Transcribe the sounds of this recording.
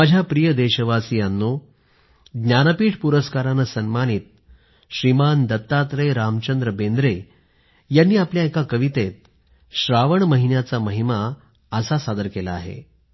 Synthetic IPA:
mad͡ʑʱjapɾijəd̪eɕəʋasijanːu | ɡnjanəpiːʈʰpuɾəskaɾanəsənmañiːt̪̚ | ɕɾimand̪ət̪ːat̪ɾejɾamt͡ɕənd̪ɾəbend̪ɾe | janːiːapljaekakəʋit̪et̪̚ | ɕɾaʋəɳməɦinjat͡saməɦima | əsasad̪əɾkelaːɦḛ

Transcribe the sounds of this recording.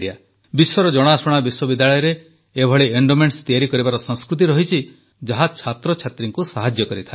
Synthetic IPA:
ia | biswɔɾɔd͡ʒɔɽ̃asɔɽ̃abiswɔbid̪ːaɭɔjɔɾeː | bʱɔɭeeɳɖomeɳst̪ijaɾikɔɾibaɾɔsɔ̃ŋskɾut̪̬iɾɔɦit͡ʃʰi | d͡ʒaɦat͡ʃʰat̪ɾɔt͡ʃʰat̪ɾiŋkusaɦad͡ʒjɔkɔɾit̪ʰa

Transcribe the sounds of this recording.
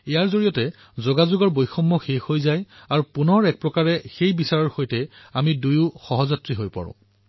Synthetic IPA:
ɛjaɹzoɹijɔtɛ | zoɡazʊɡɔɹbojxɔmːɔxexojzajaɹupunɔɹɛk̚pɹɔkaɹɛxejbisaɹɔɹxojtɛamidujʊxɔɦɔzatɹiɦojpa̰ɹʊ̰̃

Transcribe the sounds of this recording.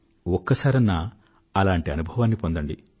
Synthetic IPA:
ɔkːɐsaːɾɐnːa | ɐlaːɳʈiɐnubʱɐʋaːnːipond̪ɐɳɖḭ

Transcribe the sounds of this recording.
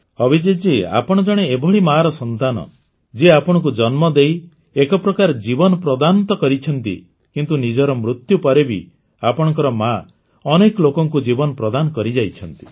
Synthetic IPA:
ɔbʱid͡ʒid͡ʒia̰pɔɽ̃ɔd͡ʒɔɽ̃eːbʱɔɭimaɾɔsɔnt̪anɔ̰ | d͡ʒeapɔɽ̃ɔk̬ud͡ʒɔnmɔd̪ej | ekɔpɾɔkaɾd͡ʒibɔnɔpɾɔd̪ant̪ɔkɔɾit͡ʃʰɔnt̪ḭ | kint̪unid͡ʒɔɾɔmɾut̪jupɔɾebḭ | apɔɽ̃ɔŋkɔɾɔma | ɔnekɔlokɔŋkud͡ʒibɔnɔpɾɔd̪anɔkɔɾid͡ʒajt͡ʃʰɔnt̪i̥

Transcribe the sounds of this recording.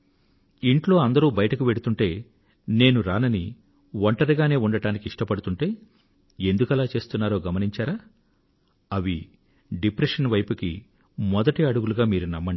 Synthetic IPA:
iɳʈlo̞ːɐnd̪ɐɾuːbɐjɐʈɐkuʋe̞ɽut̪uɳʈe̞ː | ne̞ːnuɾaːnɐni | ʋɐɳʈɐɾiɡaːne̞ːuɳɖɐɽaːnikiiʂʈɐpɐɽut̪uɳʈe̞ː | end̪ukɐlaːt͡ʃe̞ːst̪unːaːɾo̞ːɡɐmɐniɲt͡ʃaːɾaː | ɐʋi | ɖipɾeʂɐnʋɐjpukḭ | mɔd̪ɐʈiɐɽuɡuluɡaːmiːɾunɐmːɐɳɖ

